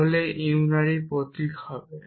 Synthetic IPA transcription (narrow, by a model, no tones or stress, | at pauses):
olɛiwunaɹipɔt̪ikʰabɛ